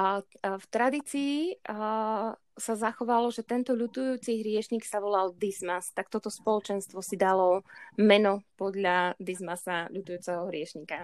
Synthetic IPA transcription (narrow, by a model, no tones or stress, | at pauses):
ft̪ɾad̪iːt͡siː | sazaxɔʋalɔʒɛt̪ɛnt̪ɔʎut̪ujuːt͡siɦɾɪɛʃɲiːksaʋɔlald̪izmast̪ak̚t̪ɔt̪ɔspɔlɔt͡ʃɛnst̪ʋɔsid̪alɔmɛnɔpɔd̪ʎad̪izmasaʎut̪ujuːt͡sɛɦɔɦɾɪɛʃɲika